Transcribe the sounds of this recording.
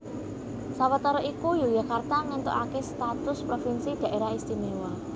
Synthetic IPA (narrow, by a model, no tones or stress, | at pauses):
sawat̪ɔɾɔʔikujojakart̪aŋant̪o̰ʔakest̪at̪ʊspɾofinsid̪̥ä̤ʔeɾaɦist̪imewɔ